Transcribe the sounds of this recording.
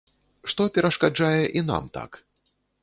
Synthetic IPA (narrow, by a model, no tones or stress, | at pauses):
ʂt̪ɔpʲɛɾɐʂkad͡ʐajɛʔina̰mt̪a̰k